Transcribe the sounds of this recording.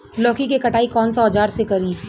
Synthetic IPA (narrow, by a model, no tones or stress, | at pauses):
lɔːkikekɐʈaːikɔːnsaːd͡ʒaːɾsekɐɾiː